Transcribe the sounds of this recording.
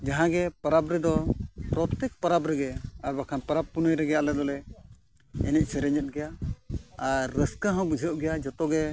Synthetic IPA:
d͡ʒaɦãɡɛpaɾabɾɛd̪ɔpɾɔt̪ɛk̚paɾabɾɛɡɛaɾbakʰanpaɾab̚pːunɔjɾɛɡɛalɛd̪ɔlɛ | ɛnɛc̚ˀsɛɾɛɲət̪̚ɡɛja | aɾːəskaɦɔ̃wbud͡ʒʱjəʔɡɛjad͡ʒɔt̪ɔɡɛ

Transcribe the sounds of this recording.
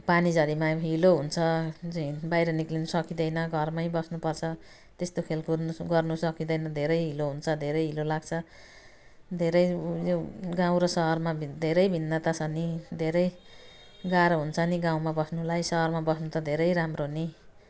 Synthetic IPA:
panid͡zʌɾimaɦiloɦunt͡sʰʌd͡zuĩbajɾʌniklinusʌkid̪ʌjnʌɡʱʌrmaibʌsnupʌrt͡sʰʌ | t̪est̪okʰelkoɡʌrnusʌkid̪ʌjnʌd̪ʱeɾʌjɦiloɦunt͡sʰʌd̪ʱeɾʌjɦilolaɡ̚t͡sʰʌ | d̪ʱeɾʌjjoɡãw̃ɾʌsʌɦʌrmabʱd̪ʱeɾʌjbʱinːat̪ʌsʰʌnid̪ʱeɾʌj | ɡaɾɦunt͡sʰʌniɡãw̃mabʌsnulajsʌɦʌrmabʌsnut̪ʌd̪ʱeɾʌjɾamroɦni

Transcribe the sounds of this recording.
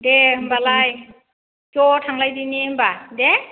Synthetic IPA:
dehɯmbalaj | kjɔtʰaŋlajdiniɦɯmbade

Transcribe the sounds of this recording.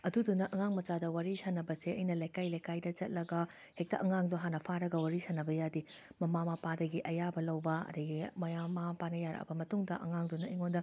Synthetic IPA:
ɐdudunɐʔɐŋaŋmɐt͡ʃadɐwaɾisanɐbɐseɐjnɐlajkajlajkajdɐt͡ʃɐt̚lɐɡɐ | hek̚tɐʔɐŋaŋdoɦanɐpʰaɾɐɡɐwaɾisanɐbɐjadimɐmamɐpadɐɡiʔɐjabɐlɐwbɐɐ̰dɐɡimɐjamamɐpanɐjaɾɐ̰kɐ̰bɐmɐtuŋdɐʔɐ̰ŋaŋdunɐiŋondɐ

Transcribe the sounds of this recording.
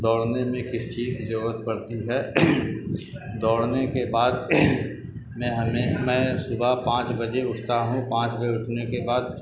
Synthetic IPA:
d̪ɔːɽnemẽkɪsʈʰiːkd͡ʒɾuɾət̪̚pɐɾt̪iɦɛː | d̪ɔːɽnekebaːd̪ | mɛ̃ɦɐmẽmɛ̃ːsʊbʱapãːt͡ʃbɐd͡ʒeʊʈʰt̪aɦũpãːt͡ʃbəd͡ʒeʊʈʰnekebaːd̪̚

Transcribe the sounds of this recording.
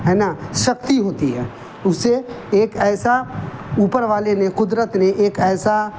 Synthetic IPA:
ɦɛːnaʃək̚t̪iɦoːt̪iɦɛ̰ː | ʊse | eːkɛːsauːpəɾʋaːlenekʊd̪ɾət̪neʔeːkɛːsa

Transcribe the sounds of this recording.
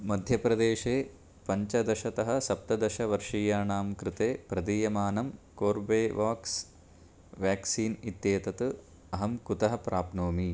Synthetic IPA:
mɐd̪ʱjɐpɾɐd̪eːʃeː | pɐɲt͡ʃɐd̪ɐʃɐt̪ɐɦɐ̆sɐp̚t̪ɐd̪ɐʃɐʋɐɾʂiːjaːɳaːmkɾɪt̪eːpɾɐd̪iːjɐmaːnɐmkoːɾbeːʋʔaːks | ʋjaːksiːnit̪jeːt̪ɐt̪ɨ | ɐɦɐmkut̪ɐɦɐpɾaːpnoːmi

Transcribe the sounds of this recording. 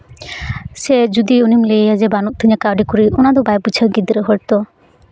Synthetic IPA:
sed͡ʒud̪iunimlejjad͡ʒebanuʔ̚t̪ʰiɲakawɖikoɾionad̪obajbut͡ʃʰaɡid̪iɾeɦɔɾt̪ɔ

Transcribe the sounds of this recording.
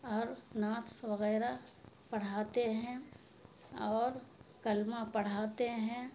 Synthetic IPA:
ɔːɾnaːt̪sʋɐɣɛːɾa | pɐɽ̤aːt̪eɦɛ̃ | ɔːɾkɐlmapɐɽ̤aːt̪eɦɛ̃

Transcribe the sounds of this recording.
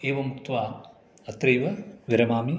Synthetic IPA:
eːʋɐmuk̚t̪ʋaːm | ɐt̪ɾejʋɐʋɪɾɐmaːmi

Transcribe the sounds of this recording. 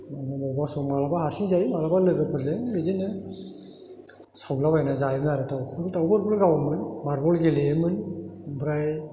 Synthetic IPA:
manɯmɔbasɔmalabaɦasiŋzajmalabalɯɡɯpʰɯɾzeŋbedenɯ | sawlabajnazajbɯnaɾɯtʰawbɯtawbɯɾbɔlɡawmɯnmaɾbɔlɡelemɯnbɾaj

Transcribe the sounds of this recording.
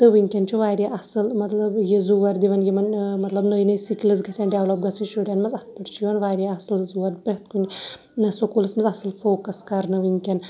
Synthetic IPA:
t̪ɨʋiŋʲkʲɐnt͡ʃʰuʋaːɾʲjaʔɐsɨlmɐt̪lɐbjezuʋɐɾd̪iʋɐnjimɐnmɐt̪lɐbnəjnɐisiklɨzɡɐsʲanɖeʋlɐp̚ɡɐsɨnʃuɖɐnmɐzɐt̪pɐʈt͡ʃʰiʋɐnʋaːɾʲjaɐsɨlzuːʋɐɾd̪ipɾʲɐt̪kunʲ | nɐsokulɐsmɐzɐsɨlfoːkɐskɐɾnɨʋiŋʲkʲɐn

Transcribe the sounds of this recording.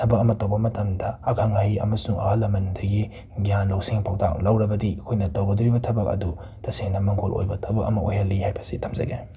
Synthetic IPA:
tʰɐbɐk̚ɐmɐtɐwbɐmɐtɐmdɐːkʰaŋaiɐ̰mɐsuŋʔɐ̰hɐlɐmɐndɐɡi | ɡjanlowsiŋpʰawtʰa̰k̚lɐwɾɐbɐdikʰojnɐtɐwɡɐduɾibɐtʰɐbɐk̚ɐ̰du | tʰɐseŋnɐmɐŋɡolʔo̰jbɐtʰɐbɐk̚ɐ̰mɐʔojhɐlːihajbɐsitʰɐmzɐ̰ɡe

